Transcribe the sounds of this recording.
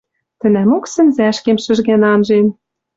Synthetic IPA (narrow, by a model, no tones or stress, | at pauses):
t̪ɘ̆næmoksɘ̆nzæʃkemʃɘ̆ʒɣænɑnʒen